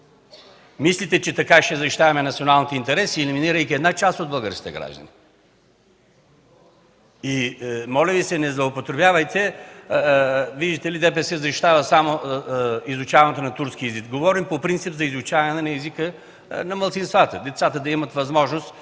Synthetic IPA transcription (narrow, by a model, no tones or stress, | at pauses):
mislit̪ɛt͡ʃɛt̪ɐkaʃɛzɐʃi̥t̪avɐmɛnɐt̪sionalˠnit̪ɛint̪ɛɾɛsiɛliminiɾəjkʲiɛd̪nat͡ʃast̪od̪̚bɐɡəɾskʲi̥t̪ɛɡɾa̰ʒd̪ə̰ni | imɔlʲɛvisɛnɛzlˠɐopot̪ɾɛbjavəjt̪ɛ | viʒd̪it̪ɛlid̪ɛp̬ɛsɛzɐʃi̥t̪avəsamo | izut͡ʃavɐnɛt̪onɐt̪uɾsk̟iɛzikɡovɔɾimpopɾint̪sipzɐizut͡ʃavɐnɛnɛnɐɛzikə | nɐmɐlˠt̪sinst̪vat̪əd̪ɛt̪sat̪əd̪ɐimət̪vɐzmɔʒnost̪